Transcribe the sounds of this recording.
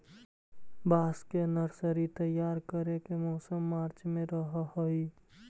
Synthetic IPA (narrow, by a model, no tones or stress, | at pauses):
baːskenəɾsəɾit̪əjːaːɾkəɾekemɔːsəmːaːɾt͡ʃmẽɾəɦɦəi